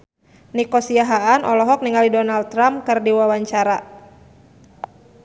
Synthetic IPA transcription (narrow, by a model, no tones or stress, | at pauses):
nikɔsiaɦaanʔɔlɔɦɔk̚niŋalidɔnal̚ɾamkɨrdiwawaɲt͡ʃaɾa